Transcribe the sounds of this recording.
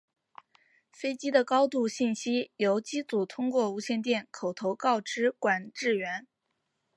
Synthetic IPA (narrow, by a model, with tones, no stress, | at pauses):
fe˥ɪt͡ɕi˥d̪ə˨kɑ˥ʊt̪u˥˧ɕi˥˩nɕi˥jo˧˥ʊt͡ɕi˥t͡su˨˩t̪ʰʊ˥ŋkwɔ˥˩u˧˥ɕjɛ˥˧nt̪̬jɛ˥˩nkʰo˨˩ʊt̪ʰo˧˥ʊkɑ˥˩ʊʈ͡ʂɻ̩˥kwa˨˩nʈ͡ʂɻ̩˥˩ɥɛ˧˥n